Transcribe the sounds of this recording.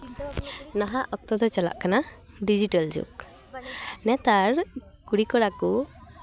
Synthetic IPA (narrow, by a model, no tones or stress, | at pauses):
naɦaʔɔk̚t̪ɔd̪ɔt͡ʃala̰ʔkana | ɖid͡ʒiʈəld͡ʒṵk | nɛt̪aɾ | kuɽikɔɽaku